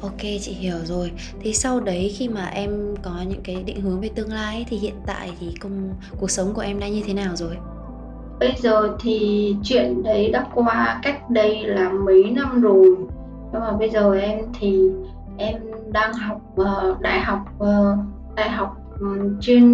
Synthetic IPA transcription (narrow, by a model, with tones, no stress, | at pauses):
ʔo˧ke˧t͡ɕḭ˧˨hi˧˩əwzo˨˩j | t̪ʰe˨˩sa˧wɗə˨˦jxi˧maː˨˩ʔɛ˧mkɔ˨˦ɲɨ̰˧˥ŋkaː˨˦jɗḭ̈˧˨ŋ̟hɨ˨˦əŋve˨˩t̪ɨ˧əŋlaː˧jʔt̪ʰi˨˩hḭ˧˨ənt̪a̰ː˧˨jt̪ʰi˨˩kə˧wŋ͡m | ku˨˩ək̚sə˨˦wŋ͡mku˧˩əʔɛ˧mɗaː˧ɲɨ˧t̪ʰe˨˦naː˨˩wzo˨˩j | ɓə˧jzəː˨˩t̪ʰi˨˩t͡ɕwḭ˧˨ənɗə˨˦jɗa̰ː˦˥tkwaː˧ka˦˥jk̟̚ɗə˧jlaː˨˩mə˨˦jna˧mzo˨˩m | sa˧maː˨˩ɓə˧jzəː˨˩ʔɛ˧mt̪ʰi˨˩ | ʔɛ˧m | ɗaː˧ŋɦa˨˩wk͡p̚ʔəː˨˩ɗa̰ː˧˨jɦa˨˩wk͡p̚ʔəː˨˩ | ɗa̰ː˧˨jɦa˨˩wk͡p̚t͡ɕe˧n